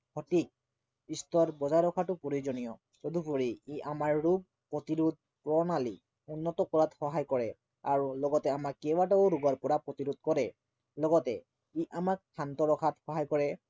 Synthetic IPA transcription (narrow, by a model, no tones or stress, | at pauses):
kʰɔtik̚ | istɔɾbɔzaɹɔkʰatʊpoɹizɔnijɔ | tod̪ubuɹiiʔamaɹːub̚ | pːɔt̪iɾud̪̚ | pɹɔnali | unːɔtɔkɔɹatxɔɦajkɔɹɛ | aɹulɔɡɔtɛamakːɛbataʊɹuɡɔɹpɔɹapɹɔt̪iɾud̪̚kɔɹɛ | lɔɡɔtɛ | iʔamak̚tʰantɔɹɔkʰatxɔɦajkɔɹɛ